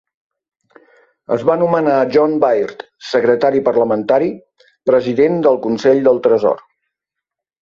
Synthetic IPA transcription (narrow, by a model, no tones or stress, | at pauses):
ə̰zβanumənaʒɔnbajrt̪ | səkɾət̪aɾipərləmənt̪aɾi | pɾəziðend̪əlˠkunsɛʎd̪əlˠt̪ɾəzɔ̰r